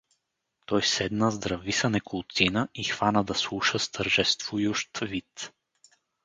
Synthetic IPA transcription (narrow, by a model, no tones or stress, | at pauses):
t̪ɔjsɛd̪nəzd̪ɾɐvisənɛkʊlˠt̪sinəʔixvanəd̪ɐslˠuʃəst̪ʰəɾʒɛst̪vʊjʊʃt̪vit̪